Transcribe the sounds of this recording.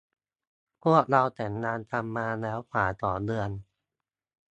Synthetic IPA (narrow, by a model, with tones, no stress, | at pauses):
pʰu˥˩ək̚ɾa˧wt̪ɛː˨˩˦ŋnaː˧nt̪ʰa˧mːaː˧lɛː˦˥wkʰwaː˩˦t̪ɔː˨˩dɯ˧ən